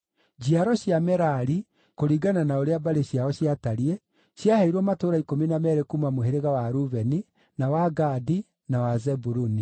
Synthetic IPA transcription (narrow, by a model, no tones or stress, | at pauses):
d͡ʑiaɾɔɕjamɛɾaɾi | koɾiɡananaoɾeabaɾeɕiaɾɔɕjataɾie | ɕjahɛiɾɔmatoːɾaikominamɛɾekumamoɦeɾeɣawaɾuvɛni | nawaɡadi | nawazɛbuɾuni